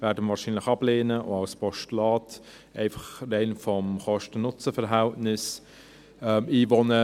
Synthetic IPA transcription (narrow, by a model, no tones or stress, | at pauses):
vɛːɐdəmvɑːɾʃiːnlɪχɑbleːnəʔo̰ɑlspʰɔʃtulɑːt | ɛɪfɑχdɛnfɔmχɔʃtənʊt͡səfɛʁɦæltnɪs | ɛmiːvɔnə